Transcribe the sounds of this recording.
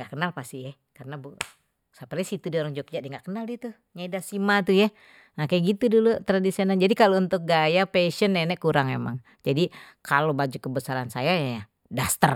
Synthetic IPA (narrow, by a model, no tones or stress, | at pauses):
ŋɡaʔkənalpast̪ijɛ | kaɾənabu | sapərasit̪udioɾaŋd͡ʒok̚d͡ʒaʔdiŋɡaʔkənaldit̪u | ɲaidasimat̪uja | nakajɡit̪udulot̪ɾadisionald͡ʒadikalount̪ʊk̚ɡajapeʃənːɛnɛʔkuɾaŋema̰ŋ | d͡ʒadi | kalobad͡ʒukəbəsaɾansajaja | dast̪ər